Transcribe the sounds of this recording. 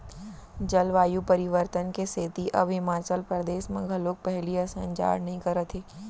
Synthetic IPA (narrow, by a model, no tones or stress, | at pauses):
d͡ʒɐlʋaːjupɐɾɪʋəɾt̪ənkeseːt̪iʔɐ̰bɦɪmaːt͡ʃəlpɾəd̪eːʃmɐ̃ɡʱɐloːk̚pɛɦliasɐ̃ɲt͡ʃa̰ːɽnɐɦĩkɐɾət̪ʰeː